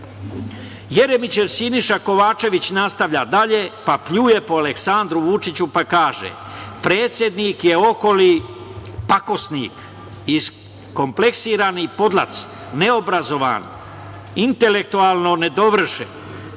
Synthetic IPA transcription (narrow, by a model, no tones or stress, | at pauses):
je̞ɾe̞mit͡ɕe̞ʋsiniʃako̞ʋaːt͡ʃe̞ʋit͡ɕnast̪aʋʎad̪aʎe̞papʎuːje̞poaleksand̪ɾuʋut͡ʃit͡ɕupakaːʒḛ | pɾe̞ːt̪sʲje̞d̪nikje̞o̞ko̞li | pako̞snḭːk | is | ko̞mple̞ksiːɾaːnipo̞d̪la̰t̪s | ne̞o̞bɾazo̞ʋa̰ːn | int̪e̞le̞k̚t̪uaːlˠno̞ne̞d̪o̞ʋr̩ʃḛn